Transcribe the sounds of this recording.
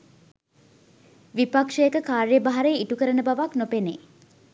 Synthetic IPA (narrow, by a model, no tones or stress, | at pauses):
ʋipakʂəekəkaːɾjəbaɦaɾeiʈukəɾənəbaʋaknopene